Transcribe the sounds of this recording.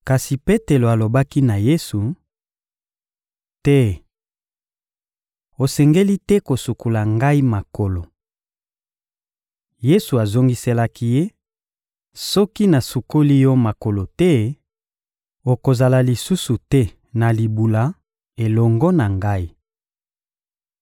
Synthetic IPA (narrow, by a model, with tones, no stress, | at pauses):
ka˨si˨pe˦te˨lo˨a˨lo˨ba˦ki˦na˨je˦su˨ | tɛ˦ | o˨sɛ˨ŋɡe˦li˦tɛ˦ko˨su˨ku˨la˨ŋɡa˦i˦ma˨ko˨lo˨ | je˦su˨a˨zo˦ŋɡi˦se˦la˦ki˦je˦ | sɔ˦ki˦na˨su˨ko˦li˦jɔ˦ma˨ko˨lo˨tɛ˦ | o˨ko˨za˨la˨li˨su˦su˨tɛ˦ | na˨li˨bu˨la˨ | e˨lɔ˨ŋɡɔ˦na˨ŋɡa˦i˦